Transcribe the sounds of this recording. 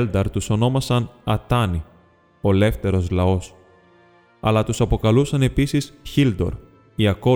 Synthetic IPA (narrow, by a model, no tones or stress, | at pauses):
ld̪ɐɾt̪uso̞no̞mɐsɐnɐt̪ɐni | o̞le̞ft̪e̞ɾo̞zlɐo̞s | ɐ̰lɐt̪usɐpo̞kɐlusɐne̞pisisçild̪o̞̰ɾ | iɐko̞